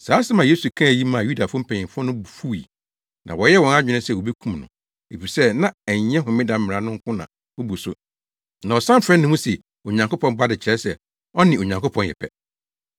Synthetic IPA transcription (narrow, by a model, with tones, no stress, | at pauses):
saː˨˦sɪ˦mã˨je˦su˨kʰã˦æ˨ji˦mã˨ju˦da˨fʊ̃˦m̩˦pʰɛ̃˨ɲɪ̃˨mfɔ˦nʊ̃˦bu˨fu˦ḭ˨ | nʔã̰˨wɔ˨jɛ˦wɔ̃˨na˦d͡ʑᶣɪ˨nʊ̃˦sɛ˨wo˨be˦kʰũ˦mnʊ̰̃˨ | e˨fi˨sɛ˦nã˦ɛ˨ɲ˨ɲɛ̃˦ɦʊ̃˨mɪ̃˦da˨m̩˦mɪ˨a˨nʊ̃˦ŋ̩˦kʰʊ̃˦nã̰˨ | o˦bu˨sʊ̰˦ | nã˨ɔ˨sã˦m˦fɾɛ̃˦nːɪ̃˦mũ˦sɛ˨ | o˨ɲã˨ŋko˦pʰɔ̃˦m˦ba˦dɪ˨t͡ɕʰɪ˨ɾɛ˦sɛ˨ | ɔ˦nɪ̃˨o˨ɲã˨ŋkʊ˦pʰɔ̃˦njɛ̰˨pʰɛ˦